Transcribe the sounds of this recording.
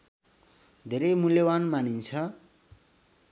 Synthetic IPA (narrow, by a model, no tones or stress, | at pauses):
d̪ʱeɾʌjmuljʌbanmanint͡sʰʌ